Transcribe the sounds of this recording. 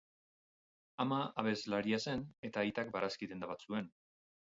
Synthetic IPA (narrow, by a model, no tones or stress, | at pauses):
amaaβe̞zlaɾiase̞ne̞t̪aːjt̪ak̚baɾaskit̪e̞nd̪aβat͡sue̞n